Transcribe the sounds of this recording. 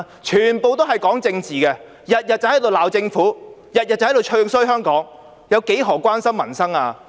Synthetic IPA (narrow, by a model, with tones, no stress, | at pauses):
t͡ʃʰyː˨˩npo˨wt̪o˥wɦɐ˨jkɔː˨˥ŋt͡sɪ˧ŋt͡siː˨kɛ˧ | jɐ˨t̚jɐ˨t̚t͡sɐ˨whɐ˨˥jt̪o˨wlaː˨wt͡sɪ˧ŋfuː˨˥jɐ˨t̚jɐ˨t̚t͡sɐ˨wht̪o˨wt͡ʃʰɵ˥˧ŋsɵ˥ɥɦœː˥ŋkɔː˨˥ŋ | jɐ˨˧wke˨˥jɦɔː˨˩kʷaː˥nsɐ˥mːɐ˨˩nsɐ˥ŋaː˧